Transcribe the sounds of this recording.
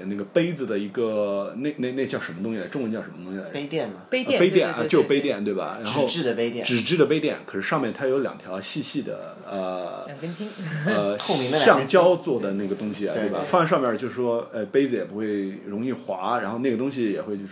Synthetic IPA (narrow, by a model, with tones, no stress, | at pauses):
na˥˩ɡə˩pe˥ɪd͡zɹ̩˨˩d̪ə˩i˧˥ɡə˧ne˥˧ɪne˥˧ɪne˥˧ɪt͡ɕjɑ˥˩ʊʂə˧˥nmə˧t̪ʊ˥ŋɕi˩la˥ʈ͡ʂʊ˥˧ŋwə˧˥nt͡ɕjɑ˥˩ʂə˧˥mə˧t̪ʊ˥ŋɕi˨˩la˧˥e˥t̪jɛ˥˩nmɐpe˥˧pe˥ɪt̪jɛ˥˩n˧t͡ɕo˥˧ʊ˥˧pe˥ɪt̪jɛ˥˩nt̪we˥˩ɪbɐ̰˩ɻa˧˥nxo˥˨˧ʊɻ̩˥˧d̪ə˨pe˥ɪt̪jɛ̰˥˧ʈ͡ʂɻ̩˨˩ʈ͡ʂɻ̩˥d̪ə˨˩pe˥ɪt̪̬jɛ˥˩nkʰɤ˨˩ʂɻ̩˥˧ʂɑ˥˧ŋmjɛ˥˩nt̪ʰa˥jo˧˥ʊljɑ̰˨˩ŋt̪ʰjɑ˧˥ʊɕi˥˧ɕi˥˩d̪ə̰˩ | ə˧˩˨ŋə˥nt͡ɕi˥ŋə˧xo˥˩mi˧˥əɕɑ˥˩ŋt͡ɕjɑ˥ʊt͡swɔ˥˩d̪ə˩na˥˩ɡə˩t̪ʊ˥ŋɕi˨˩a̰˨t̪we˥˧˩ɐ̰˨˩fɑ˥˧nʂ̬ɑ˥˧ŋmjɛ˥˩t͡ɕjo˥˧ʊʂ̩˥˩ʂwɔ˥e˥˩ɪpe˥ɪd͡zɹ̩˧jɛ˨˩pu˧˥xwe˥˩ɪɻʊ˧˥ŋi˥˩xwa˧˥ɻa˧˥nxo˥˧ʊne˥˩ɡə˩t̪̬ʊ˥ŋɕ̬i˧˨jɛ̰˨˩xwe˥˧ɪt͡ɕo˥˧˩